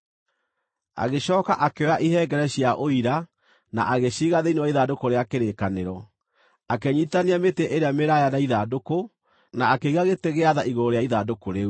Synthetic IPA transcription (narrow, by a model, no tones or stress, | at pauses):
a̰ɣeɕɔːkaʔakeɔaʔiɦɛːɡɛɾɛɕjaʔoiɾa | na̰ʔaɣeɕiɣaðeinewaiðadokoɾeakeɾekaneɾɔ | akɛɲiːtaneameteʔeɾeameɾajanaiðadoko | naːkeiɣaɣeteɣeaðaʔiɣoɾoɾojaiðadokoɾe